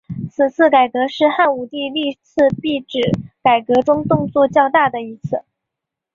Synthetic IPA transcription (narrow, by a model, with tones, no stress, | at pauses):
t͡sʰɹ̩˨˩t͡sʰɹ̩˥˩ka˨˩ɪkɤ˧˥ʂɻ̩˥˧xa˥˩nu˨˩t̪i˥˧li˥˧t͡sʰɹ̩˥˧pi˥˩ʈ͡ʂɻ̩˨˩ka˨˩ɪkɤ˧˥ʈ͡ʂʊ˥ŋt̪ʊ˥˧ŋt͡swɔ˥˧t͡ɕjɑ˥˧ʊt̪a˥˩d̪ə˩i˧˥t͡sʰɹ̩˥˩